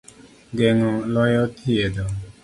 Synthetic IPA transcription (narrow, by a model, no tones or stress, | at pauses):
ɡɛŋɔlɔjɔt̪ʰied̪ɔ